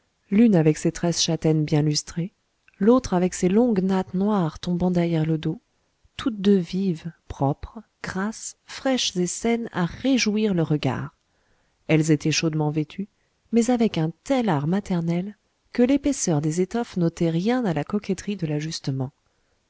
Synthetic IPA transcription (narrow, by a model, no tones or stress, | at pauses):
lynavɛkset̪χɛsʃat̪ɛnbjɛ̃lyst̪χe | lot̪χavɛkselɔ̃ɡnat̪nwaʁt̪ɔ̃bɑ̃d̪ɛʁjɛʁləd̪o | t̪ʰut̪̚d̪øvivpχɔpχ | ɡ̥ʁasfχɛʃzesɛna̰ʁeʒuiʁləʁəɡa̰ʁ | ɛlzet̪ʰɛʃod̪mɑ̃vet̪ʰy | mɛzavɛkɛ̃t̪ɛlaʁmat̪ɛʁnɛl | kəlepɛsœʁd̪ezet̪ɔfnot̪ɛʁjɛ̃d̪alakɔkʲɛt̪χid̪əlaʒyst̪əmɑ̃